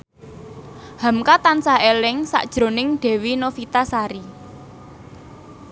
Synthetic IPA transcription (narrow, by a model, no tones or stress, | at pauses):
hamkat̪ansaɦelɪŋsa̰ʔd̥ʒ̥ɾo̤nɪŋɖ̥ɛ̤winofit̪asaɾi